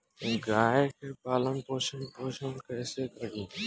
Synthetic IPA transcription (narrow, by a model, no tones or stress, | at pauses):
ɡaːɦekʰeːpaːlənpoːʃənpoːʃənkʰeːseːkəɾd̪ĩː